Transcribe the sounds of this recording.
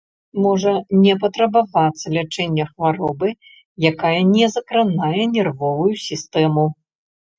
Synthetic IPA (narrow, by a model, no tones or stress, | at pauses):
mɔʐɐnʲɛpɐt̪ɾɐbavat̪sːɐlʲat͡ʂɛnʲːɐxvaɾɔbɨ | jakajɐnʲɛzɐkɾanajɛnʲɛrvɔvujusʲist̪ɛmu